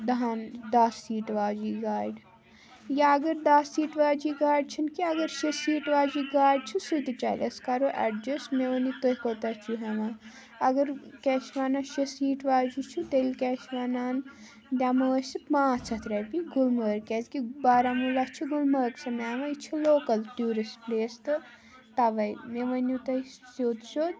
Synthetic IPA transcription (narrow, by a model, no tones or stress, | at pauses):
d̪ɐɦand̪asːiːʈʋaːd͡ʒiːɡaːjɖ | jaɐɡəɾd̪aːsːiːʈʋaːd͡ʒiɡaːɖ̚t͡ʃʰinkiɐɡəɾʃisiːʈʋaːd͡ʒiɡaːɖ̚t͡ʃʰusut̪it͡ʃa̰ːlʲɐskaɾoʔɛ̰ɖd͡ʒɐsmeonit̪oɦkot̪ɐt͡ʃʰuɦɐʋaː | ɐɡəɾkɛt͡ʃʰʋaːnaʃesiːʈʋaːd͡ʒit͡ʃʰut̪elʲkɛːt͡ʃʰʋanaːn | d̪ʲamɐəsit̪maːt͡sʰɐt̪ʰɾɐpiɡulməːɾkɛd̪kibaːɾamulɐht͡ʃʰiɡulməːksɐmaʋɐjt͡ʃʰiloːkɐlʈuːɾispleːst̪ɨ | t̪ɐʋɐjmeʋɐnut̪ɐisoːd̪ʃo